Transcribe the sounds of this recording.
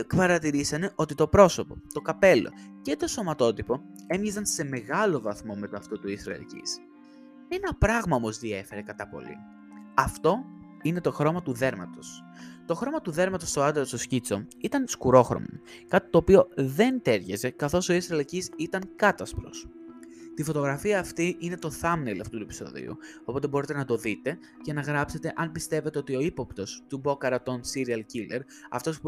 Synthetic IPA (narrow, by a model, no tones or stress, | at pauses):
kfɐɾɐt̪iɾisɐne̞ʔo̞t̪it̪o̞pɾo̞so̞po̞t̪o̞kɐpe̞lo̞̰ce̞t̪o̞so̞mɐt̪o̞t̪ipo̞ | e̞mʝezɐnse̞me̞ɣɐlo̞vɐθmo̞me̞t̪oɐft̪ot̪uisɾɐ̰lḭcḭs | e̞nɐpɾɐɣmɐo̞mo̞zðie̞fe̞ɾe̞kɐt̪ɐpo̞̰lḭ | ɐft̪o̞ | ine̞t̪o̞xɾo̞mɐt̪uðe̞ɾmɐ̰t̪o̞s | t̪o̞xɾo̞mɐt̪uðe̞ɾmɐt̪o̞st̪oɐd̪eost̪oscit͡so̞it̪ɐnskuɾo̞xɾo̰mo̰ | kɐt̪i̥t̪o̞ːpio̞ðe̞nt̪e̞ɾʝeze̞kɐθo̞so̞isɾɐlicisit̪ɐŋkɐt̪ɐspɾo̞̰s | t̪ifo̞t̪o̞ɣɾɐfiɐːft̪iʔine̞t̪o̞θɐmnelɐ̰ft̪ut̪ue̞pi̥so̞̰ðḭṵopo̞t̪e̞bo̞ɾit̪e̞nɐt̪o̞ðit̪e̞ | cenɐɣɾɐpse̞t̪e̞ʔɐnpist̪e̞ve̞t̪e̞o̞t̪io̞ipo̞pt̪o̞st̪ubo̞kɐɾɐt̪o̞nsiɾiɐlcile̞ɾ | ɐ̰ft̪o̞s